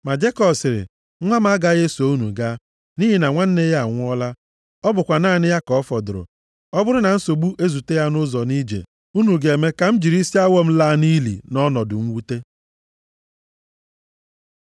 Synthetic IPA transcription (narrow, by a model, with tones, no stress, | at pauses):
ma˨d͡ʒe˦kɔ˨bsɪ˨ɾɪ̰˨˦ | ŋʷa˦m˦a˦ɡa˦e˦so˨˦u˦nṵ˨ɡa˦ | ni˦ɦi˨na˨ŋʷa˦n̩˦ne˦ja˨ŋʷʊ˦ɔ˦la˦ | ɔ˦bʊ˨kʷa˨naː˦˨nɪ˦ja˦kɔ˨˦fɔ˨dʊ˨ɾʊ̰˨ | ɔ˦bʊ˦ɾʊ˦na˨n̩˦so˨bu˦ʔe˦zu˨te˦ja˦nʊ˦zɔ˨ni˦d͡ʒḛ˨ | u˦nu˨ɡe˨me˦ka˨m̩˦d͡ʒi˨ɾi˦si˦a˦wɔ˦m̩˦la˦˨ni˦lḭ˨nɔ˦nɔ˨dʊ̰˨ŋ̩˦wu˦te˦